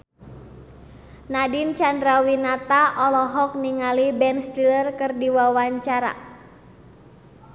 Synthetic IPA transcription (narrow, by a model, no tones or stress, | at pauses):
nadint͡ʃandɾawinat̪aʔɔlɔɦɔk̚niŋalibɛnst̪ilərkərdiwawaɲt͡ʃaɾa̰